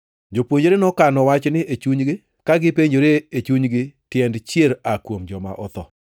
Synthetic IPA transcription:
d͡ʒopwoɲd͡ʒoɾenɔkanɔwat͡ʃnɪʔet͡ʃuɲɡɪ | kaɡɪpeɲoɾeet͡ʃuɲɡɪtɪjɛndt͡ʃjeɾakwomd͡ʒɔma̰ʔɔt̪ɔ̰

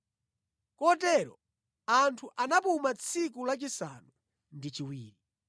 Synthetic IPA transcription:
kɔtɛɾɔ̰ | antʰuʔanapumat͡sʰikulat͡ʃisa̰nu | ndit͡ʃiwiːɾi

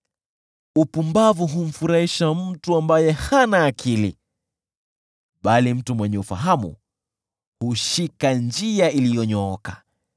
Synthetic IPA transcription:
upumbavuɦum̩fuɾaiʃam̩tuambajɛhanaːkʰili | ɓalim̩tumwɛɲɛufaɦamṵ | huʃikand͡ʒiailijɔɲɔɔka

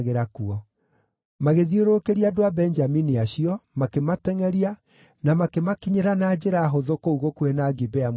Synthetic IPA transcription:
ɣeɾakuɔ | maɣeðioɾokeɾiadoabɛnd͡ʒaminiaɕiɔmakematɛŋɛɾia | namakemakiɲeɾanad͡ʑeɾaɦoðokouɣokwɛnaɡibɛam

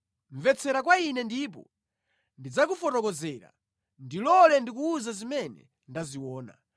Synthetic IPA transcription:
ɱvɛt͡sʰɛɾakwainɛndiːp̬ɔ̰ | ndid͡zakufɔtɔkɔzɛɾa̰ | ndilɔlɛndik̬uːzazimɛnɛ̰ | ndaziwɔːna̰

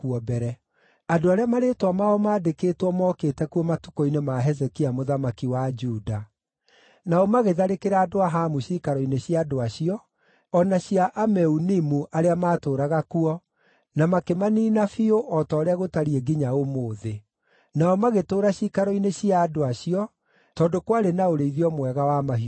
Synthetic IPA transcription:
kuɔbɛɾɛ | adoaɾeamaɾetwamaɔmaːdekeːtwɔmɔkeːtɛkuɔmatukɔinemaɦɛzɛkiamoðamakiwad͡ʒuːda | naɔmaɣeðaɾekeɾaːdoaɦamuɕikaɾɔineɕjaːdoaɕiɔː | naɕiaʔamɛunimuʔaɾeamaːtoːɾaɣakuɔ | namakemaniːnafioʔɔtɔːɾɛaɣotaɾiɛɡiɲaomoːðe | naɔmaɣetoːɾaɕikaɾɔineɕiaːdoaɕiɔ | tɔːndokwaɾenaoɾeiðiɔmwɛɣawamaɦi

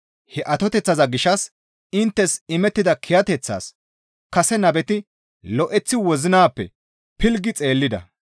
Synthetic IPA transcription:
hɛʔɐt̪ɔt̪ɛt͡sːɐzɐɡɪʃɐs | ɪnt̪ːɛsɪmɛt̪ːɪd̪ɐkʰɪjɐt̪ɛt͡sːa̰ːs | kɐsɛnɐbɛt̪ɪ | lɔʔɛt͡sːɪwɔzɪnaːpːɛ̰ | pɪlɡɪt͡sʼe̞ːlːɪd̪ɐ̰

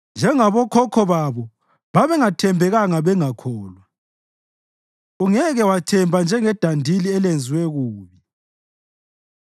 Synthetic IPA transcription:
nd͡ʒʱɛŋaβɔkʰɔkʰɔβaβɔ | βaβɛŋatʰɛmbʱɛɣaŋaβɛŋakʰɔːlwa | uŋɛɣɛwatʰɛmbʱand͡ʒʱɛŋɛd̥ʱandʱiliɛlend͡zʱiwɛɣuːβi

